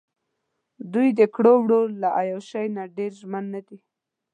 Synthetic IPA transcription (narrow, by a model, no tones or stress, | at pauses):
d̪ujd̪əkɽowɽoːaʔajawʃajnaɖeɾʒmanːad̪i